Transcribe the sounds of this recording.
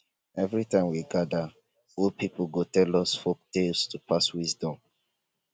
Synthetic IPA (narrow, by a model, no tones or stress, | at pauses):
ɛvɹitãɪ̃mwiɡada | ɔlpipɡotɛlɔsfok̚telstupʰaswizdɔ̃m